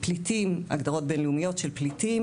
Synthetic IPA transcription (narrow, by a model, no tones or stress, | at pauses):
plitima̰ɡd̪aʁo̞t̚be̞nleumijo̞tʃelpliti